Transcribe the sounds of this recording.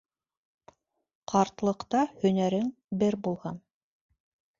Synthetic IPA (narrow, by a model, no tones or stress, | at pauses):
qʰɑɾt̪lˠɤ̆qt̪ɑhɵ̆næɾɘŋ | bɘɾbulˠʁɑn